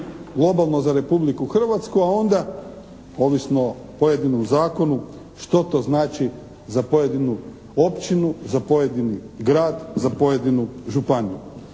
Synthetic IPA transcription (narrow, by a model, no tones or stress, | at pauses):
ɡlˠo̞balˠnozaɾe̞publikuxr̩ʋat̪skuao̞nd̪a | o̞ːʋisnopoje̞d̪inomzaːko̞nu | ʃt̪o̞t̪o̞znaːt͡ʃi | zapo̞je̞d̪inu | o̞pt͡ʃinuzapo̞je̞d̪iniɡɾaːd̪zapo̞je̞d̪inuʒupanijṵ